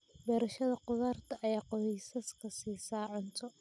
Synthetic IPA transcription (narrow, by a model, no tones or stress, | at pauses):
bɛːɾɐʃɐðɐqʊðaːrt̪ʰɐʔɛjqɔhɛjsɐskʰɐsiːsaːʕɔnt̪ʰɔ